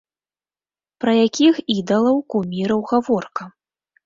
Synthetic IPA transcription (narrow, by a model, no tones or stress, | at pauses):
pɾɐjakʲixid̪ɐlˠɐwkumʲiɾɐwɣavɔrkɐ